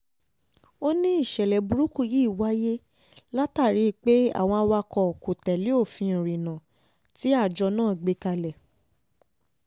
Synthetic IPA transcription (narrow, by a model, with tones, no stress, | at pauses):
o˦nĩ˦i˦˨ʃɛ˨lɛ˨bu˨ɾu˦ku˦˨ji˦˨wa˦je˦ | la˦ta˦˨ɾi˨˦k͡pe˦a̰˦˨w̃ɔ̃˧a˧wa˧kɔ˧˨ko˨tɛ˨li˨˦o˦˨fĩ˧˨ɾĩ˨nã˨ | ti˨˦a˦˨d͡ʒɔ˧nãː˦˨ɡ͡be˧˦ka˧lɛ˨